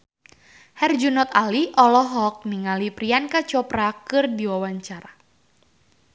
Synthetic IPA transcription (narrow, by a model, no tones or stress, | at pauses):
hɛrd͡ʒunɔt̪̚aliʔɔlɔɦɔk̚niŋalipɾiankat͡ʃɔpɾakɨrdiwawaɲt͡ʃaɾa